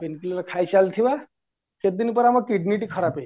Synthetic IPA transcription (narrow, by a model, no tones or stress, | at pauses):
penkilɾkʰajɕalt̪ʰiʋa | ket̪̚d̪inipəɾaməɡkiɖniʈikʰəɾape